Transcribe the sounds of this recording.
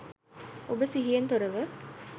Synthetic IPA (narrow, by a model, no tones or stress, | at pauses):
obəsiɦijent̪oɾɐʋə